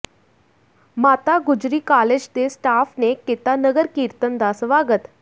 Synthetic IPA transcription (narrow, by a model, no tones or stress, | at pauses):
mat̪aɡud͡ʑɾiːkaled͡ʑt̪esʈafneket̪anəɡəɾkiɾt̪ənd̪asʋaɡət̪